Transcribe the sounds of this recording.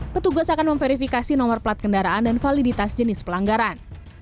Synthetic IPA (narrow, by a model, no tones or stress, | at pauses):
pət̪uɡasakanməɱfeɾifikasinɔmərpəlat̪̚kəndaɾaʔandanfalidit̪asd͡ʒənɪspəlaŋɡaɾan